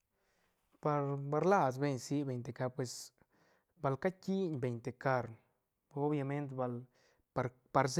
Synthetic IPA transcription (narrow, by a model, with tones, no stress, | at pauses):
pa˧ɾba˧ɾla˦˧sbe˧ɲsi˧˦be˧jnt̪e˧ka˧ɾpwe˧s | ba˧lka˦ki˦ɲbe˧˨jnt̪e˨ka˧ɾ | o˦bja˧me˦nt̪ba˧l | pa˧ɾ | pa˧ɾse